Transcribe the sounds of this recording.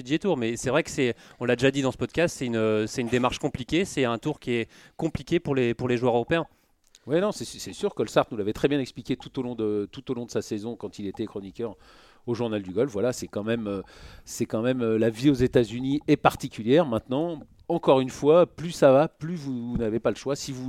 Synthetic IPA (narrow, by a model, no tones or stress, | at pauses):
id̪iʒet̪uʁmɛsɛvʁɛkə̥sɛɔ̃lːad̪eʒad̪id̪ɑ̃səpɔd̪kast̪sɛt̪ynøsɛt̪ynd̪emaʁʃkɔ̃plikʲesɛɛ̃t̪uʁkʲiɛkɔ̃plikʲepuʁlepuʁleʒwœʁøʁɔpeɛ̃ | wɛnɔ̃sɛssɛsyʁkɔlsaʁt̪nulavɛt̪χɛbjɛ̃nɛksplikʲet̪ut̪olɔ̃d̪ət̪ut̪olɔ̃d̪əsasezɔ̃kɑ̃t̪ilet̪ɛkχɔnikʲœʁ | oʒuʁnald̪yɡɔlfvwalasɛkɑ̃mɛmøsɛkɑ̃mɛmølaviozet̪azyniɛpaʁt̪ikʲyljɛʁmɛ̃t̪nɑ̃ | ɑ̃kɔʁynfwaplysavaplyvunavepaləʃwasivu